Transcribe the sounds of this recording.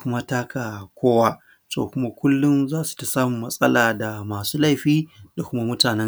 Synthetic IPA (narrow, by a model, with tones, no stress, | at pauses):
kʷʊ˦ma˦taː˦kʰa˨kʷoː˦waː˦ | so̰ː˨kʷʊ˦ma˦kʷʊ˦lːʊ˦nzaː˦su̥˨ta˨saː˦mʊ˨mːɐ˦sʼɐ˦laː˨da˨maː˨suː˦la˦jɸiː˦da˨kʷʊ˦ma˦mʊ˦taː˨nɛ˦ŋ